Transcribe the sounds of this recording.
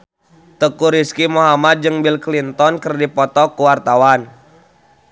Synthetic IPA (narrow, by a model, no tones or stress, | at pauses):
t̪əkuɾiskimoɦamat̪̚d͡ʒɨŋbilklint̪ɔnkərdipɔt̪ɔkuwart̪awan